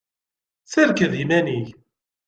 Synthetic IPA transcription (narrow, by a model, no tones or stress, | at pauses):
θəɾkəðimæniʝ